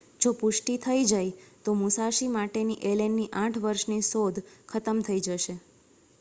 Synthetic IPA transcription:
d͡ʒopʊʃʈit̪ʰəid͡ʒajt̪omusaʃimaʈeniʔelenːiʔãʈʰʋəɾʃnisod̪ʱkʰət̪əmt̪ʰəid͡ʒəʃe

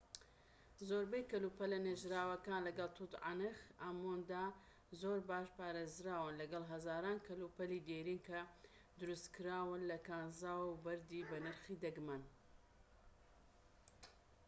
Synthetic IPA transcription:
zoːɾbɐjkɐlupɐlːɐneːʒɾaːwɐkaːnlɐɡɐlˠt̪ʰuːt̪ʕa̰nɨxamond̪a | zoːɾbaːʃpaːɾeːzɾaːwɨnlɐɡɐlˠɦɐzaːɾaːnkʰɐlupɐlid̪eːɾiːnkɐ | d̪ʊɾust̪kɨɾaːwɨnlɐkaːnzaːwbɐɾd̪iːbɐnɐɾxiːd̪ɐɡman

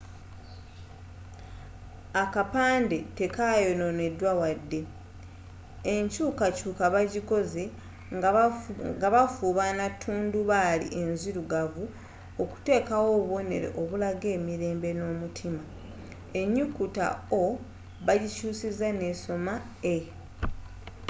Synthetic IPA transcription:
akapaːnde̞te̞kajo̞no̞ne̞dwawadːe̞ | eɲcuːkacuːkaβaɟiko̞ze̞ | ɡaβafuːβanatʰːuːnduβalḭʔe̞nziɾuɡavu | oku̥te̞ːkawo̞ːβo̞ne̞̰ɾe̞̰ʔo̞βulaɡe̞ːmiɾe̞ːmbe̞no̞ːmutʰima | e̞ɲːukuta̰o | βaɟicuːsizane̞so̞ma | e

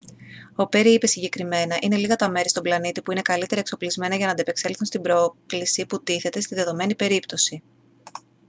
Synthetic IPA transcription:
o̞pe̞ɾiipe̞siɲɟe̞kɾime̞nɐʔine̞liɣɐt̪ɐme̞ɾist̪o̞mblɐnit̪ipuine̞kɐlit̪e̞ɾɐekso̞plizme̞nɐʝɐnɐnd̪epe̞kse̞lθunst̪ibɾo̞klisiput̪iθe̞t̪e̞st̪inðe̞ðo̞me̞nipe̞ɾipt̪o̞si

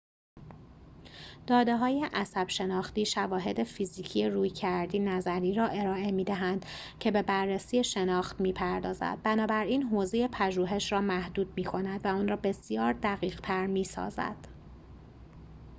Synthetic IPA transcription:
d̪̥ɒːd̪e̞ɦɒːje̞ʔæsæb̥ʃe̞nɒːxt̪iːʃævɒːɦe̞d̪e̞fiziːcʰijeɾuːjcʰæɾd̪iːnæzæɾiːɾɒːʔe̞ɾɒːʔe̞miːd̪æɦænd̪̥ | cʰe̞be̞bærːesiːjeʃe̞nɒːxt̪miːpʰæɾd̪ɒːzæ̰d̪̚bænɒːbæɾiːnɦoːze̞je̞pʰæʒuːɦe̞ʃrɒːmæhd̪uːd̪̚miːkʰo̞næd̪væɒːnrɒːbe̞sijɒːɾd̪æɣiːɣt̪ʰæɾmiːsɒ̰ːzæ̰d̪̥

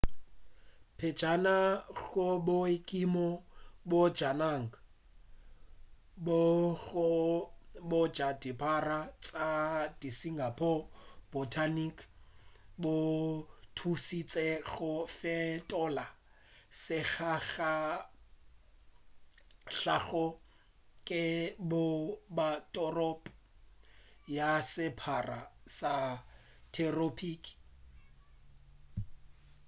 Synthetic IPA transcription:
pʰɛd͡ʒanaɣʊbʊɪkʼimɔbʊd͡ʒanaŋ̩ka | bʊɣʊ | bʊd͡ʒadipʰʼarat͡sʼadisiŋɡapʰɔb̥ɔtʰanikʰ | botʰusit͡sʼɛɣʊfɛtʼɔla | sɪɣʰaɣa | ɬaɣɔ | kʼɪbʊbatʼɔrɔpʼ | jasɪpʰara̰sa | tʰɛropʰiːk

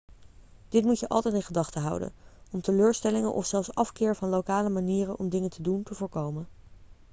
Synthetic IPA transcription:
d̥ɪtmucəʔɑ̰lˠtɛjtɪnχədɑχtəɦʌ̰wdə̰nɔmtəløːɹstɛlɪŋənʔɔ̰fsɛlˠfsɑfkɪːɹvɑnlowkaːləmaniːrənʔɔmdɪŋəntʰəduntəvʊːɹkowmə

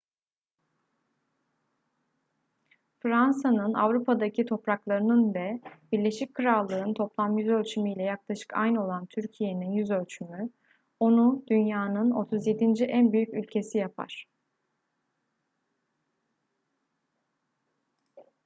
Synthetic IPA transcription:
fɾansanɯna̰vɾupʰad̪acʰit̪ʰo̞pɾaklˠaɾɯnɯnvɛbiɾlʲe̞ʃic̚kʰɯɾalˠːɯnt̪ʰo̞plˠamjyzø̞lʲt͡ʃʰymijlʲɛjaklˠaʃɯ̥kʰa̰jno̞lˠant̪ʰyɾcʰije̞ninjyzølʲt͡ʃʰymy | o̞nud̪̥ynjaːnɯno̞t̪ʰuzje̞d̪ind͡ʒiʔænbyjycylʲcʰe̞sijapʰa̰ɾ̥

